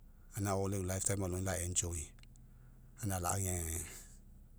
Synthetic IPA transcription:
anãɔlelajftajmalũlaɛ̃nd͡ʒɔi | anãla̰ʔjɛ̃ɛ

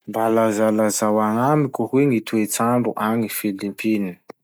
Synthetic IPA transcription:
mbalazalazawaŋamikʲuhweŋit̪uet͡saɳɖ͡ʐuʔaŋifilimpini̥

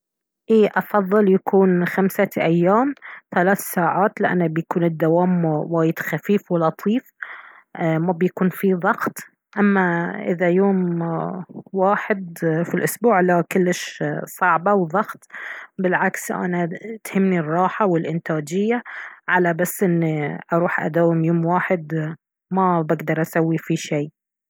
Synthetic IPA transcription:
ʔiːʔɑfɑðˤːɨljakuːnxamsaʔajːaːmθalaːθsaːʕaːt̪lɪʔa̰nːabjakuːnɪd̪ːawaːmwaːjɪd̪̥xafiːfwɪlɑt̪ˤʰiːf | ʔmabjakuːnfiðˤɑɣt̪ˤ | ʔamːaʔɪ̰ðajoːm | waːħɪd̪filʔʊsbuːʕlakʊlːɪʃsˤɑʕbɑwðˤɑɣt̪bɪlʕaksʔa̰nat̪hɪmːnirˤːɑːħawɪlʔɪnt̪aːd͡ʒɪjːaʕalabasːʔɪnːiʔɑɾˤuːħʔa̰d̪awːɪmjoːmwaːħɪd̪ | mabaɡd̪ɑɾˤʔasawːifiʃeː

